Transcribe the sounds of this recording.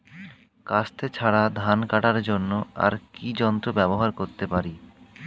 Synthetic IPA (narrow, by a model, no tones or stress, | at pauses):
kast̪ʰet͡ɕʰaɽad̪ʱankaʈaɾd͡ʑonːoa̰ɾkid͡ʑɔnt̪ɾobɛboɦaɾkoɾt̪epaɾi